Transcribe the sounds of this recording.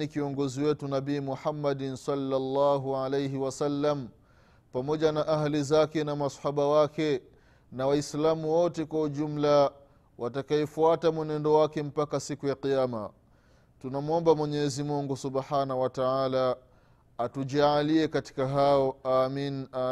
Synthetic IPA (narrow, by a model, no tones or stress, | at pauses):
ikiɔŋɡɔziwɛtunaɓiːmuħamːaɗnsalːalːaːɦuʕalejɦiwasalːam | pamɔʄanaʔaɦlizakɛnamasħaɓawakɛ | nawaislamuwɔtɛkwauʄum̩la | wʔatakaɛfuatamwɛnɛndɔwakɛm̩pakasikujaqijama̰ | tunamuɔmbamwɛɲɛɛzimuŋɡusuɓħaːnauwataʕaːlaː | tuʄaaliɛkati̥kaɦaɔamina